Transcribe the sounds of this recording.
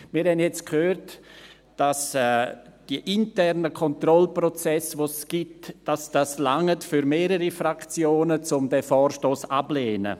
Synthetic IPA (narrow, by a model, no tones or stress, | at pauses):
miːɾhɛndjɛt͡skʰhøːɾt | d̥asɛd̥iəʔintɛrnəkʰɔntrɔlprɔt͡sɛsvosɡ̥itd̥asd̥aslaŋətfyɾmeːɾəɾifɾakt͡sjoːnət͡sʊmdɛfɔːɾʃtoːsableːnə̰